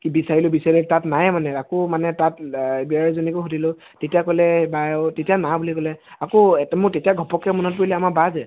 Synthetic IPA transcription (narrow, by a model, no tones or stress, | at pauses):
kibisaɹilʊbisaɹilʊtatnajmanɛakomanɛtat̚biaɹzonikʊɦudilʊ | tetijakɔlɛbajtetijanabulikɔlɛakotmʊɹtetijaɡʱɔpɔkɛmɔnɔt̚poɹilɛamabazɛ